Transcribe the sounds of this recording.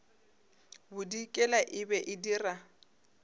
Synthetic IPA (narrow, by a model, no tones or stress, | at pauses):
bʊdikʼɛlaʔɪbɛʔɪdira